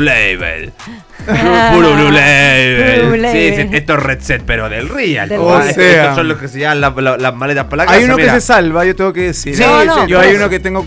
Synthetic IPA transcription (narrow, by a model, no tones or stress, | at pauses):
leβḛl | puɾululeβelsiseest̪oeret̪set̪̚peɾoðelria̰loseeaosonloskeseʝamalallazmalet̪apalaɣajunomikeɾsesalβaʝot̪eɡokeðesiɾsiʝoajunoket̪eŋɡo